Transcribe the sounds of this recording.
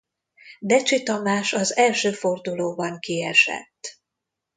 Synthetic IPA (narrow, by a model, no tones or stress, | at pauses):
d̪ɛt͡ʃit̪ɒmaːʃɒzɛlʃøːfo̞rd̪uloːbɒŋkiɛʃɛ̰t̪ː